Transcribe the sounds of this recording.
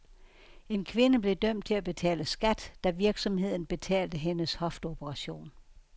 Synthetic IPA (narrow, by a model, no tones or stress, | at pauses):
e̝nkʰʋe̝nəb̥le̝d̥œm̰d̥̚t͡sʰe̝læb̥e̝t͡sʰɛ̰ːləsɡ̥æd̥ːæʋiɐɡ̥sɒ̽mhe̝ð̞̰ˠn̩b̥e̝t͡sʰɛ̰ːld̥əɦenəshɒ̽fd̥o̝b̥əʁɑ̈ɕo̝̰ːn